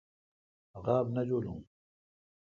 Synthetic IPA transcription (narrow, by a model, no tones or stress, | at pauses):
ɣaːbnɐd͡ʑolṵ̃